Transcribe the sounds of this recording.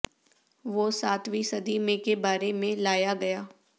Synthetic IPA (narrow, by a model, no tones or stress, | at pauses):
ʋoːsaːt̪ʰʋisɐd̪imẽkebaːɾemẽlaːjaɡɐjaː